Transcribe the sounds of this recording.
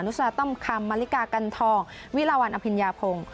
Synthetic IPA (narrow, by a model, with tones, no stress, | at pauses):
nu˦˥sa˧a˧t̪ɔ˥˩mkʰa˧mːaː˧li˦˥kaː˧ka˧nt̪ʰɔː˧ŋ | wi˦˥laː˧waː˧nʔa˧pʰi˧njaː˧pʰo˧ŋ